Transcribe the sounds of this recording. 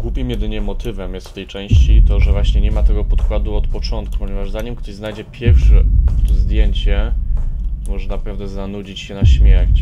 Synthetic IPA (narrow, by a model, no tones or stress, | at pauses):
ɡ̥wupʲimjɛd̪ɘɲɛmːɔt̪ɘvɛmjɛst̪ft̪ɛjt͡ʂɛ̃w̃ɕt͡ɕit̪ɔʐɛvwaɕɲɛɲɛmat̪ɛɡɔpɔt̪kwad̪uɔt̪pɔt͡ʂɔnt̪̚ku̥pɔɲɛvaʐzaɲimkt̪ɔʑznajd͡ʑɛpʲjɛɾfʂɛzd̪ʲjeɲt͡ɕɛ | mɔʐɛnapɾavd̪ɛzanud͡ʑit͡ɕɕɛnaɕmʲjɛɾt͡ɕ